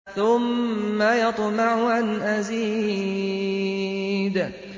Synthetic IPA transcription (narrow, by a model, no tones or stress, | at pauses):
θʊmːajɑt̪ˤmɪʕʊʔanʔaziː | d̪